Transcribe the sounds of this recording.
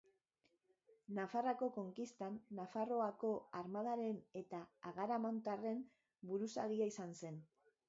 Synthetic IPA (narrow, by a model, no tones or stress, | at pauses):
nafarako̞ko̞ŋkist̪anːafaro̞ako̞aɾmaðaɾe̞ne̞t̪aːɣaɾamant̪are̞m | buɾusa̰ɣiaisanse̞n